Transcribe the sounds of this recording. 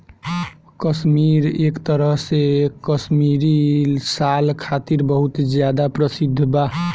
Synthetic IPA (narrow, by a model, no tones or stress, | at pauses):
kəsmiɾekt̪əɾəɦsekəsmiɾisalkʰat̪iɾbəɦut̪d͡ʒjad̪apɾəsid̪ʱːba